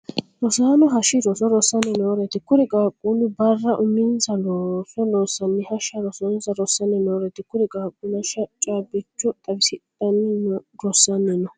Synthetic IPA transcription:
ɾɔsaːnɔɦɐʃɪɾɔsɔɾɔsɐnɛnoːɾɛt̪ɪkʊɾɪɡʼaːkʼːunɪbɐrːɐʔʊmːɪnzɐlosɔloːsɐnːɪhɐʃɐɾɔsɔnzɐɾɔsːɐnɛnoːɾɛt̪ɪkʊɾɪkʼaːkʼːʊnɐʃɐt͡ʃʼaːbɪt͡ʃːɔt̪ʼɐbɪsɪt̪ʼːɐnɪnɔɾɔsːɐnːɛnɔ

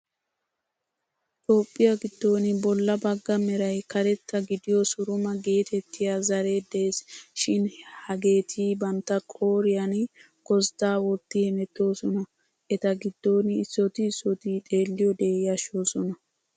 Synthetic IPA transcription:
t̪ʼo̞ːpʼːɪjɐɡɪd̪ːo̞ːnɪbɔlːɐbɐɡːɐmɛɾɐjkɐɾɛt̪ːɐɡɪd̪ɪjɔsʊɾʊmɐɡe̞ːt̪ɛt̪ːɪjazɐɾe̞ːd̪e̞ːsʃɪnhɐɡe̞ːt̪ʰiːbɐnt̪ːɐkʼo̞ːɾɪjɐn | kɔzd̪̥aːwɔt̪ːɪhɛmɛt̪ːo̞ːsɔnɐ | ʔɛt̪ɐɡɪd̪ːo̞ːnɪːsːɔt̪ɪːsːɔt̪it̪ʼe̞ːlːɪjɔd̪eːjɐʃoːsɔnɐ

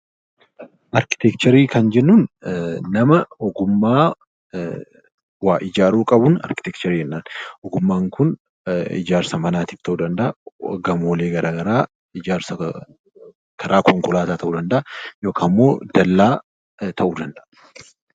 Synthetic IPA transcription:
ʔɐɾkɪ̥t̪ɛkt͡ʃɐɾiːkʰɐnd͡ʒɛnːuːnnɐmɐɔɡʊmːaː | waːʔɪd͡ʒaːɾuːkʼɐbʊnɐ̰ɾkɪ̥t̪ɛkt͡ʃɐɾiːhɛnːaːnʔɔɡʊmːaːŋkʊn | ɪ̰d͡ʒaːɾsɐmɐnaːt̪ɪkt̪ɐʔuːd̪ɐnd̪ɐʔɐɡɐmoːleːɡɐɾʔaːɡɐɾaː | ɪd͡ʒaːɾsɐ | kʰɐɾʔaːkʰɔŋkʊlaːt̪aːt̪ʰɐʔuːd̪ɐnd̪ɐʔɐjo̞ːkʰaːmːo̞ːd̪̥ɐlːaː | t̪ʰɐʔuːd̪ɐnd̪ɐʔɐ

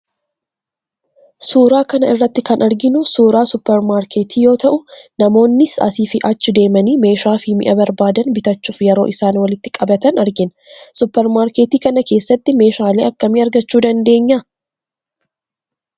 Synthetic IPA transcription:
suːɾaːkɐnɐɪrːɐt̪ːɪkɐnʔɐɾɡɪnʊsuːɾaːsʊpːɛɾmaːɾkʰe̞ːt̪ʰiːjo̞ːt̪ɐʔʊnɐmo̞ːnːɪsɐ̰siːfɪʔɐt͡ʃːɪd̪e̞ːmɐniːme̞ːʃaːfɪmɪ̰ʔɐbɐɾbaːd̪ɐnbɪt̪ɐt͡ʃːuːfjɛɾo̞ːʔɪsaːnwɐlɪt̪ːɪkʼɐbɐt̪ɐnɐɾɡɪn | sʊpːɛɾmaːɾkeːt̪iːkɐnɐke̞ːsːɐt̪ːɪme̞ːʃaːleːʔɐkːɐmiːɐɾɡɐt͡ʃːuːd̪ɐnd̪e̞ːɲːɐ

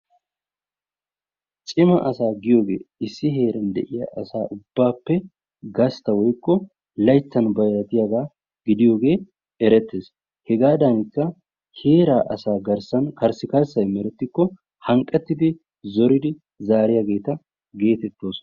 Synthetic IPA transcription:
t͡ʃʼɪmɐ̰ʔɐsaːɡɪjo̞ːɡe̞̰ːɪsːɪɦe̞ːɾɐnd̪ɛ̰ʔɪja̰ʔɐsaːʔʊb̥ːaːpːɛ | ɡɐst̪ːɐwɔjkːɔ | lɐjt͡sːɐnbɐjɾɐt̪ɪjaɡaː | ɡɪd̪ɪjo̞ːɡe̞ː | ɛɾɛt̪ːeːs | hɛɡaːd̪ɐnɪkːɐ | he̞ːɾaːʔɐsaːɡɐɾsɐnkɐɾsɪkɐɾsɐjmɛɾɛt̪ːɪkːɔ | hɐŋkʼːɛt̪ːɪd̪ɪ | zɔɾɪd̪ɪ | zaːɾɪjaɡe̞ːt̪ɐ | ɡe̞ːt̪ɛt̪ːo̞ːsɔ

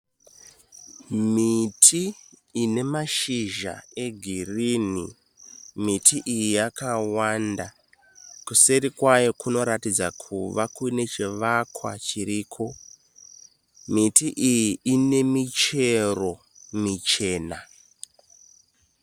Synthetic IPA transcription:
mitʰiːne̞maʃiʒa̰e̞ɡʱirini | mitʰiʔijijakawanda | kuseɾikwajokuno̞ɾatid͡zakʰuʋakune̞t͡ʃiʋakwa̰t͡ʃiɾiːkʰo̞ | mitiʔijiine̞mit͡ʃe̞ro̞ | mit͡ʃe̞ːna

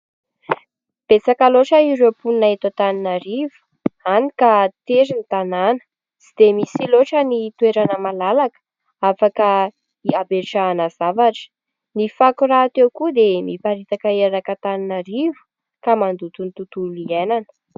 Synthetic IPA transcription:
b̥esakaloʈ͡ʂəiɾewpunnaɦit̪at̪aninəɾivu̥ | anikat̪eɾinit̪ananə̥ | zid̪̥emisiloʈ͡ʂənit̪uweɾanəmalalakə̥ | afakə | iabeɾʈ͡ʂaːnazavaʈ͡ʂə̥ | nifakuraːt̪ewkud̪emipaɾit̪akəeɾakət̪aninəɾivu̥ | kamand̪ut̪unit̪ut̪ulienanə̥

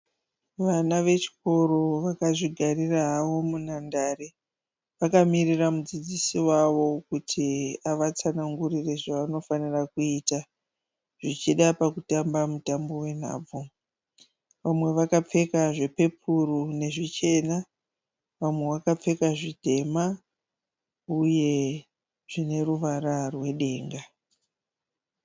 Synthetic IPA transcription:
ʋanaʋe̞t͡ʃi̥ko̞ɾo̞ʋakaʐiɡʱariraɦaʋo̞munandare | ʋakamiriramud͡zid͡zisiwaʋo̞kutʰiaʋat͡sanaŋɡurire̞ʐaʋano̞fanirakuita | ʐ̥it͡ʃiɗapakutambamutambo̞we̞n̤a̰ːb͡vo | ʋamwe̞ʋakap͡fe̞kaʐe̞pe̞pʰuɾune̞ʐit͡ʃe̞na | ʋamwe̞ʋakap͡fe̞kaʐidʱe̞ma | uje̞ | ʐ̥ine̞ruʋaɾarwe̞ɗe̞ːŋɡa

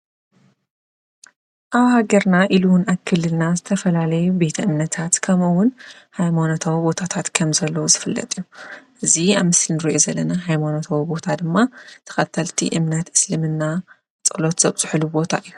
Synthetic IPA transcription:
ʔaβhaɡɐɾnaʔiluwnaβkʰɨlːɨlnazɨt̪ʰɐfɐlalɐjube̞t̪ʰɐʔɨmnɐt̪ʰat̪kʰɐmɨwʊn | hajmanot̪ʰawbo̞t̪ʰat̪ʰat̪kʰɐmzɐlːɐwozɨfɨlːɐ̰t̪ʼijuʔɨziaβmɨslnɨɾiʔo̞zɐlːɐnaɦajmanot̪ʰawbo̞t̪ʰad̪ɨmːat̪ʰɐ̥xɐt̪ʰːɐlt̪ʰḭʔɨmnɐt̪ʔɨslɨmɨnːa | t͡sʼɐlo̞t̪z̥ɐβz̥ɨħlubo̞t̪ʰa̰ʔɨjːu

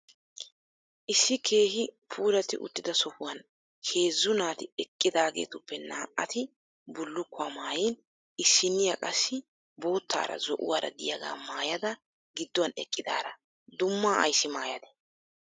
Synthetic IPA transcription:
ʔɪsːɪkʰe̞ːhɪpʰuːɾɐt̪ɪ̰ʔʊ̰t̪ːɪd̪ɐsɔhʊwɐn | hʰe̞ːzːʊnaːt̪ɪɛkʼːɪd̪aːɡḛːt̪ʊpːɛnaːʔɐt̪ɪ | bʊlːʊkːʊaːmaːjiːn | ɪsːɪnːɪjakʼɐsːɪ | bo̞ːt̪ːa̰ːɾɐ̰zɔʔʊ̰waːɾɐ̰d̪ɪjaɡa̰ːmaːjɐd̪ɐ | ɡɪd̪ːɔwɐnɛkʼːɪd̪a̰ːɾɐ | d̪ʊmːaːʔɐ̰jsːɪmaːjɐd̪ɛ̥

